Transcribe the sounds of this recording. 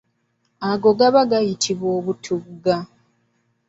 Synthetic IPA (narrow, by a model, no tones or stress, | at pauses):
aɡo̞ɡaβaɡajitʰiβwo̞ːβutʰuɡa